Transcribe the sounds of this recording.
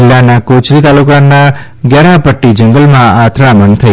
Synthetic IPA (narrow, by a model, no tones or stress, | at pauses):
lːanakot͡ʃɾit̪alukanːa | ɡjaɾapəʈːid͡ʒəŋɡəlmãat̪ʰɾamənt̪ʰə